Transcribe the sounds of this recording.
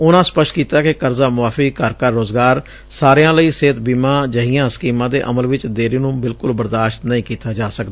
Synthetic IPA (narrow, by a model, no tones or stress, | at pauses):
ʊnãːspəʃʈkiːt̪aːkekəɾzaːmʊʋaːfʰiːkəɾkəɾːoːzɡaːɾ | saːɾeãːləiːseːt̪biːmãːd͡ʒəɦiːãːsə̥kiːmãːd̪ḛːʔəməlʋɪt͡ʃd̪eːɾiːnũːbɪlkʊlbəɾd̪aːʃt̪nəĩːkiːt̪aːd͡ʒaːsəkd̪aː